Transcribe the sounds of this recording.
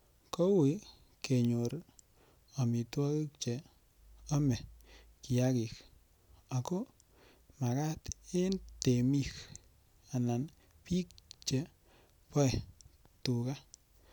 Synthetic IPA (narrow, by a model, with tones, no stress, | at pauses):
ko˦wi˨˦ | ke˨ɲo˨ɾ | a˨mi˨twɔ˦ki˦k̚t͡ʃe˨ | a˦mɛ˨ | ki˨a˦ki˨k | a˨ko˦ | ma˨ka˦te˦nte˨mi˦k | a˨na˨n | pi˦k̚t͡ʃe˨ | pɔ˦ɛ˨tu˨ka˦